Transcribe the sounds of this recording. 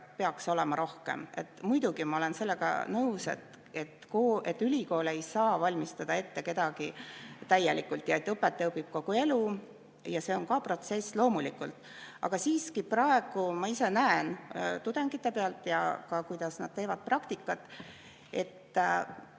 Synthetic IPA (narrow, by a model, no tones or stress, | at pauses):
pe̞ɑkso̞lɛmɑɾo̞hkḛme̞̰t̪ːˑmujd̪̥uɡ̥imɑole̞nse̞lːeɡ̥ɑ̰nɤwsḛt̪ | e̞t̪koe̞t̪ːylʲiko̞ːlejsɑːvɑlʲmist̪ɑd̪̥ɑe̞t̪ːe̞ke̞d̪̥ɑɡit̪æjːelikːult̪ˑjɑe̞t̪ːɤpːˑet̪ːˑɤpib̥̚ko̞ɡ̥ue̞lu | jɑse̞o̞nkɑpro̞t̪se̞slo̞ːmulikːˑult̪ˑ | ɑ̰ɡ̥ɑsiːskiprɑe̞ɡ̥umɑise̞næent̪ud̪̥eŋɡit̪ːˑe̞peɑlt̪ˑjɑ̰kɑkujd̪̥ɑsnɑd̥̪̚t̪e̞ːvɑd̪̥̚prɑkt̪ikːˑɑt̪ːˑ | e̞̰t̪ː